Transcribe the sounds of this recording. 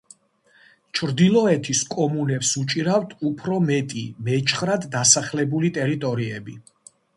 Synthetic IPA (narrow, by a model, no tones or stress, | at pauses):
t͡ʃʰɾd̪ilˠɔɛt̪ʰiskʼɔmunɛpsut͡ʃʼiɾavt̪ʰupʰɾɔmɛt̪ʼḭmɛt͡ʃʰχɾad̪ːasaχlɛbulit̪ʼɛɾit̪ʼɔɾiɛbi